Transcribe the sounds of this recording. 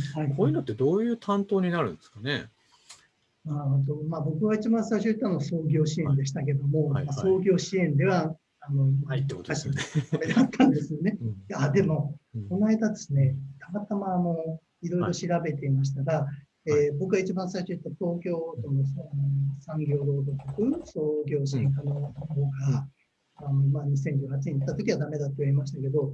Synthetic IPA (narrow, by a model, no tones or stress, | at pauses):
haikʰoːjiɯnot̪ːe̞d̪oːjɯ̟ːt̪ʰãnt̪o̞ːɲ̟inaɾɯ̟̃nd̪esɨ̥kane | naɾhod̪o̞mabo̞kɯ̟βait͡ɕibãsaiɕ̬oit̪ːanoso̞ːɡʲo̞ːɕiẽ̞nd̪e̞ɕi̥t̪ak̬e̞d̪o̞mo̞maso̞ːɡʲo̞ːɕiẽ̞nd̪e̞βa | ano̞ait̪ːek̪aɕimed̪at̪ʰːãnd̪e̞sɨjo̞ne̞ad̪e̞mo̞ko̞naed̪ad̪e̞sɨne̞t̪ʰamat̪amaːno̞ | iɾo̞iɾo̞ɕiɾabe̞t̪e̞imaɕ̬i̥t̪aɡa | eːbo̞kɯ̟ɡait͡ɕibãɰ̃saiɕoit̪ːat̪o̞ːkʲo̞ːt̪onosanosãŋɡʲo̞ːɾo̞ːd̪okokɯ̟nso̞ːɡʲo̞ːɕiik̪anoonoɦoːɡa | anomaːɲ̟isẽ̞ɲd͡ʑɨːhat͡ɕinẽ̞it̪ːat̪o̞kʲiβad̪ame̞d̪at̪ːoiimaɕi̥t̪ake̞d̪o̞